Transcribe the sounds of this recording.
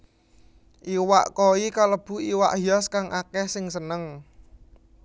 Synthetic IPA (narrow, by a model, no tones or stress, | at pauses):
ʔiwa̰ʔkoikaləb̥ṳiwa̰ʔhijɔskaŋʔakɛhsɪŋsənəŋ